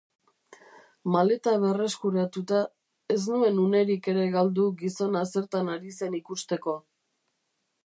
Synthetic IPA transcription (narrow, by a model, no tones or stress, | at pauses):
male̞t̪aβe̞re̞skuɾat̪ut̪a | e̞snue̞nune̞ɾike̞ɾe̞ɣald̪uɡiso̞nase̞ɾt̪anaɾise̞nikust̪e̞ko̞